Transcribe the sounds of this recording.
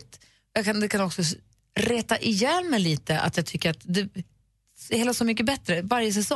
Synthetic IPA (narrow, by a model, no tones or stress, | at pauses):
t̪ | jaːɡkʰand̪ɛkʰanɔksɔ | ɾeːt̪aʔɪjɛnmɛjliːt̪əʔa̰t̪jɑːɡ̚t̪ʰʏkːəɾat̪d̪ɛ | sheːlasɔmʏk̬ːəbɛt̪ːɾəvaɾjəs̬ɛsɔ